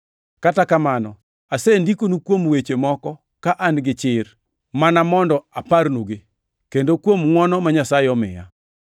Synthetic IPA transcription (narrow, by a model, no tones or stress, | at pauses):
katakamanɔ̰ | asendikonukwomwet͡ʃemɔkɔ | kaʔanɡɪt͡ʃɪr | manamɔndɔaparnoɡi | kendokwomŋwɔnɔmaɲasaɪɔmɪ̰ja̰